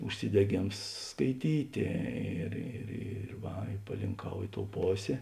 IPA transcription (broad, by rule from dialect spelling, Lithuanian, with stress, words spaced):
ʊʃʲsʲɪdʲɛˈɡʲeːms skɐɪˈtʲiːtʲeː ɪr ɪr ɪr ˈʋɐ ɪ pɐlʲɪŋˈkɐʊ ˈɪ ˌtoːʊ ˈpoːsʲeː